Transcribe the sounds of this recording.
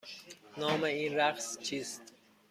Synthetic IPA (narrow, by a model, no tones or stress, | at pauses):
nɒːmeiːnɾæqst͡ʃʰiːst̪